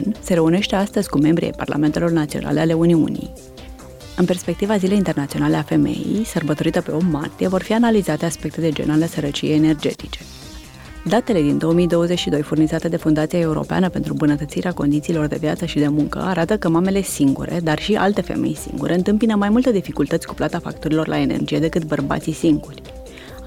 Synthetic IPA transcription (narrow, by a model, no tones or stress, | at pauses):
nse̞ɾe̞une̞ʃt̪e̞ast̪əzʲkume̞mbɾḭḛjpa̰rla̰me̞nt̪e̞lo̞rnat̪sio̞̰na̰leale̞uniṵnḭj | ɨnperspe̞k̚t̪ivazile̞jint̪e̞rnat̪sio̞nale̞afe̞me̞̰jḭjsərbət̪o̞ɾit̪əpe̞o̞mːa̰rt̪ije̞vo̞rfianalizat̪e̞aspe̞k̚t̪e̞d̪e̞d͡ʒe̞̰nalesəɾət͡ʃijejene̞rd͡ʒe̞̰t̪i̥t͡ʃe̞ | d̪at̪e̞le̞d̪ind̪o̞omijd̪o̞wəze̞t͡ʃʃid̪o̞jfurnizat̪e̞d̪e̞fund̪at̪siae̞uɾo̰pea̰nəpe̞nt̪ɾumbunət̪ət̪siɾeako̞nd̪it̪siːlo̞rd̪e̞vjat̪səʃid̪e̞muŋkə̰aɾat̪əkəmame̞le̞siŋɡṵɾe̞d̪arʃiʔa̰lt̪e̞fe̞̰me̞̰jsḭŋɡṵɾe̞ɨnt̪ɨmpinəmajmult̪eəd̪ifikult̪ət̪sʲku̥plat̪afa̰k̚t̪oɾilo̞rlʔa̰e̞ne̞̰rd͡ʒijed̪e̞kɨt̪bərba̰t̪sisiŋɡurʲ